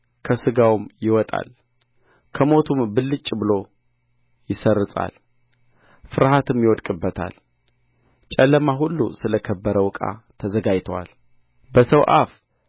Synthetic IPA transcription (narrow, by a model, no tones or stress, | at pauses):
kʰəsɨɡawmjɪwɔt̪ʼa̰l | kʰəmo̞t̪ʰumbɨlːɨt͡ʃʼːbɨlo̞ | jɪsərːɨt̪ʼa̰l | fɨɾɦat̪ʰɨmjɪwɔt̪kʼɨbːət̪ʰa̰l | t͡ʃʼəlːəmaɦulːṵsɨləkʰəbːəɾəwɨkʼa̰t̪ʰəzəɡajt̪ʰəwa̰l | bəsəwʔaf